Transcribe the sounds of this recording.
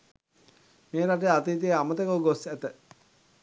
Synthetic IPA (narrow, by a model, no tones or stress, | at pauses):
meːɾaʈ̬eat̪it̪̬ieamət̪əkoɡosæt̪ə